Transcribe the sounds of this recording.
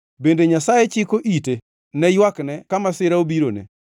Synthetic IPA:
bendeɲasajet͡ʃɪkoʔite | nɛjwaknɛkamasɪɾaobiɾonḛ

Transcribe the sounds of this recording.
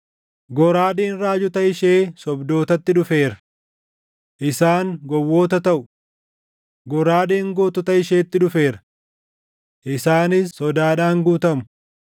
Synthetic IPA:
ɡɔɾaːd̪eːnɾaːd͡ʒʊt̪ɐɪʃeːsɔbd̪o̞ːt̪ɐt̪ːɪᶑʊfe̞ːɾɐ̥ | ʔɪsaːŋɡɔwːo̞ːt̪ɐt̪ɐʔʊ | ɡɔɾaːd̪eːŋɡoːt̪ʊt̪ɐɪʃeːt̪ːɪᶑʊfe̞ːɾɐ̥ | ʔɪsaːnɪsːɔd̪aːᶑaːŋɡuːt̪ɐmʊ̥

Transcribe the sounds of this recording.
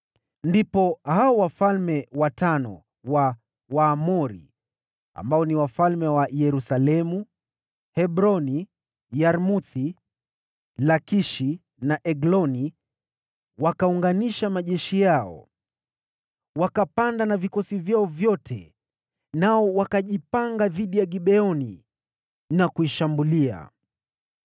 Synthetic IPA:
ndipɔhaɔwafalmɛwatanɔ̰ | wa | waːmɔɾḭ | a̰mbaɔniwafalmɛwajɛɾusalɛmu | hɛɓɾɔni | jaɾmuθi | lakiʃi | naʔɛɡlɔni | wakauŋɡaniʃamaʄɛʃijaɔ̰ | wakapandanavikɔsivjaɔvjɔtʰɛ̰ | naɔwakaʄipaŋɡaðiɗijaɠiɓɛɔnḭ | nakuiʃambulia̰

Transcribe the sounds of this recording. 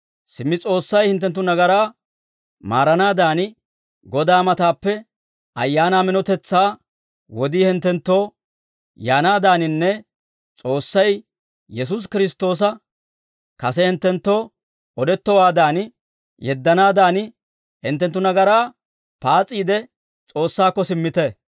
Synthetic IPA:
sɪmːɪt͡sʼo̞ːsːɐjhɪnt̪̬ːɛnt̪̬ːʊnɐɡɐɾaː | maːɾɐnaːd̪aːn | ɡɔd̪aːmɐt̪aːpːɛ | ɐ̰jːaːnaːmɪnɔt̪ɛt͡sːaː | wɔd̪iːhɪnt̪ːɛnt̪ːo̞ː | jaːnaːd̪aːnɪnːɛ | t͡sʼo̞ːsːɐj | jɛs̬us̬kɪɾɪst̪o̞ːs̬ɐ | kɐsɛhɪnt̪ːɛnt̪ːo̞ː | ɔd̪ɛt̪ːɔwaːd̪aːn | jɛd̪ːɐnaːd̪aːn | hɪnt̪ːɛnt̪ːʊnɐɡɐɾaː | paːt͡sʼiːd̪ɛ | t͡sʼo̞ːsːaːkːɔsɪmːɪt̪ɛ

